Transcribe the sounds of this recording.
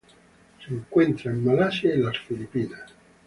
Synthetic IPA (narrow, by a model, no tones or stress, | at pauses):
siŋkwɛnt̪ɾaimːalaseːlasfilipiːna